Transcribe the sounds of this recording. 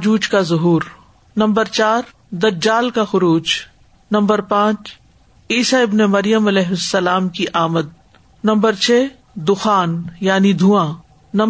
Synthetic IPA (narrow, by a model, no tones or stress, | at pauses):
d͡ʒuːd͡ʒkazʊɦuːɾ | nɐ̃mbəɾt͡ʃaːɾ | d̪ɐd͡ʒaːlkaxʊɾuːd͡ʒ | nɐ̃mbəɾpãːt͡ʃ | iːsaɪbnemɐɾijəmɐlɛːɦʊsːɐlaːmkiʔaːməd̪̚ | nɐ̃mbəɾt͡ʃʰeː | d̪ʊxaːnjaːnid̪ʱuːã | nɐ̃